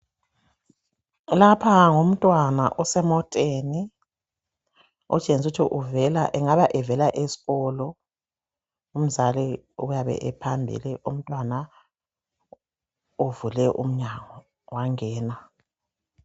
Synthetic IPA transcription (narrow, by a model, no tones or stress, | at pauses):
lapʰaŋum̩tʼwana̰ʔɔsɛmɔtʼeni | ɔ̰t͡ʃʼenutʰiʔuvɛlaʔɛŋaβaʔɛvɛlaʔesi̥ɣɔlɔ | um̩zalɛ | ujaβɛ̰ʔɛpʰambʱḭliʔum̩tʼwana | uvulɛʔṵm̩ɲaŋɔ | waŋɛːna